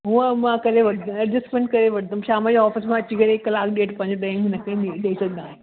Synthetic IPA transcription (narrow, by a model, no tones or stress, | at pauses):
ɦũəmãkɐɾeʋɐɽd̪ɐd͡ʑɪsmẽɳʈ̚kɐɾeʋɐɽd̪əmʃaːmãd͡ʑoɔːfɪsmãɐt͡ɕikɐɾekɐlaːkɗeːʈpɐ̃ɲd͡ʑɗẽmɦɪnɐkʰeiɗeːisɐɡənd̪aːɦẽ